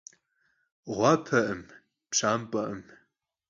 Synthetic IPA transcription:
ʁʷɑpʰɐʔɨm | pʂaːmpʼɐʔəm

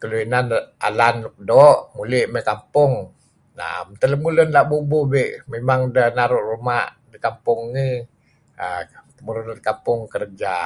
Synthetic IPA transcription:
kəluinanʔa̰lanluk̚dɔʔmulɪʔməkampʊŋ | na̰ʔa̰mt̪ələmulʊnlaʔbububɛʔmemaŋdənaɾʊʔrumaʔ | dikampʊŋːi | ət̪əmuɾunakampʊŋkərd͡ʒa

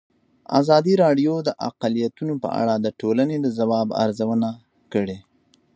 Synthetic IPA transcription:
a̰zɑd̪iɾɑɖjod̪əʔa̰qalijat̪unopə̰a̰ɽad̪əʈolaned̪əzawɑba̰ɾzawəna | kəɽe

